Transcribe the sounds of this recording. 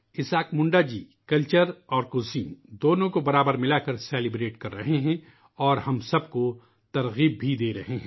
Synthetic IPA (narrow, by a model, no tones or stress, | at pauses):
ɪsaːkmʊ̃ɳɖad͡ʒiː | kɐlt͡ʃəɾɔːɾkoːsiːnd̪oːnõkobɐɾaːbəɾmɪlakɐɾsɛːlɪbɾeːʈkɐɾːɐɦeɦɛ̃ | ɔːɾhɐmsɐbko | t̪ɐɾɣiːb̚ːʱid̪eːɾɐɦeɦɛ̰̃ː